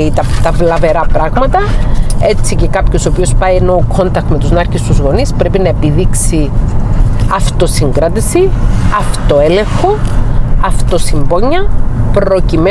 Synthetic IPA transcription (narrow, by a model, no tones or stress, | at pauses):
it̪ɐt̪ɐvlɐve̞ɾɐpɾɐɣmɐt̪ɐe̞t͡sice̞kɐpço̞sopio̞spɐjeno̞kʰo̞nt̪ɐk̚t̪me̞t̪uznɐɾkest̪uzɣo̞nispɾe̞pinɐepiðiksi | ɐft̪o̞siŋɡɾɐt̪isiɐft̪o̞e̞le̞ŋxo̞ɐft̪o̞simboɲːɐpɾo̞cime